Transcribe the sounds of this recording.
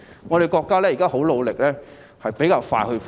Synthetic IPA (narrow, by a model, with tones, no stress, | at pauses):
ŋɔː˨˧ɾe˨˩jkɔː˧kːaː˥lɛː˥ji˨˩kaː˥ɦo˨˥wlo˨˧wlɪ˨k̚lɛː˥ | hɐ˨jpe˨˥jkaː˧wfaː˧jhɵ˧f